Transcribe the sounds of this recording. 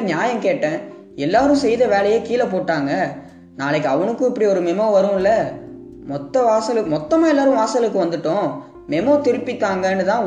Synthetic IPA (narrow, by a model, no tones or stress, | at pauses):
ɲjaːjɐmkeːʈːẽː | ɛlːaːɾʊ̃sɛjðɐʋeːlɐjeːkiːlɐpoːʈːaːŋɡɐ | naːlɐk̬ːɯɐʋɐnɯkːʊ̃ɪpːɐɽiɔɾɯmɛmoːʋɐɾɯ̃ɪlːɐ | mɔt̪ːɐʋaːsɐlɯmɔt̪ːɐmaːɛlːaːɾʊ̃ʋaːsɐlɯkːɯʋɐnd̪ɯʈːʊ̃ː | mɛmoːt̪ɪɾɯpːɪt̪ːaːŋɡɐnːɯt̪ãː